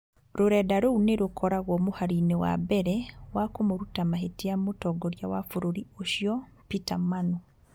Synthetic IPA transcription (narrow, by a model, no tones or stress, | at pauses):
ɾoɾɛdaɾouneɾokʰɔɾaɣwɔmuhaɾinewa̰bɛɾɛwakomoɾutamaɦetiamutɔɡoɾjawafuɾoɾioʃjɔ | pitamanu